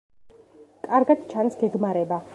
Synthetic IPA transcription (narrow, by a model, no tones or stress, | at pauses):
kʼaɾɡat̪t͡ʃʰansɡɛɡmaɾɛba